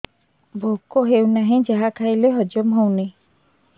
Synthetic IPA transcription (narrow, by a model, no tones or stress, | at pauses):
bʱokoɦewnaɦĩd͡ʒaɦakʰajleɦɔd͡ʒɔmɦowni